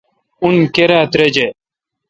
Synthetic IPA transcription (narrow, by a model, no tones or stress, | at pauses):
unkeɾaːt̪ɾed͡ʑe